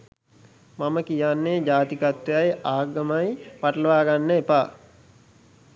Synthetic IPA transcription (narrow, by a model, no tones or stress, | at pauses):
maməkijanːed͡ʒaːt̪ikat̪ʋejajaːɡəmajpaʈələʋaːɡanːəepaː